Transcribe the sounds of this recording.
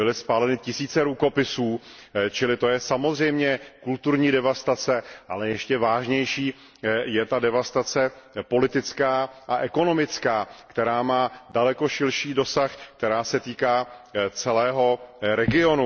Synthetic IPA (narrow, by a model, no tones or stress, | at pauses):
bɪlɪspaːlɛnɪcɪsiːt͡sɛɾuko̞pɪsuː | t͡ʃɪlɪt̪o̞jɛsamozr̝ɛjmɲɛkult̪uɾɲiːdɛvast̪at͡sɛʔalɛjɛʃcɛvaːʒɲɛjʃiː | jɛt̪adɛvast̪at͡sɛpo̞lɪt̪ɪt͡skaːʔaʔɛko̞no̞mɪt͡skaːkt̪ɛɾaːmaːdalɛko̞ʃɪlʃiːdo̞saxk̚t̪ɛɾaːsɛt̪iːkaːt͡sɛlɛːɦo̞ɾɛɡɪo̞nu